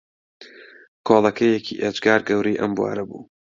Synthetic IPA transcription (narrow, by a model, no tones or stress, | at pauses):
kʰolˠɐkʰɐjɛkʰiːʔed͡ʒɡaːɾɡɐwɾejʔɐmbwa̰ːɾɐbṵː